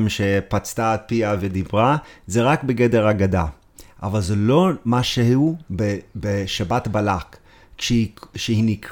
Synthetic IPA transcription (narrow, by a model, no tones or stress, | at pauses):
mʃepat͡st̪aːt̚piaved̪ibʁazeʁakbeɡedeʁaɡada | ʔa̰valzelomaʃeubebeʃabat̪balak | ʃʃehinik